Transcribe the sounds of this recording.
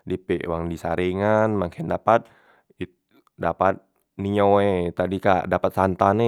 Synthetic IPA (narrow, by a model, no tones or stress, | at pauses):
dipḛʔwaŋdisaɾiŋanmakʰɛndapat̪̚ | i | dapat̪̚ | niɲoet̪adika̰dapat̪̚sant̪ane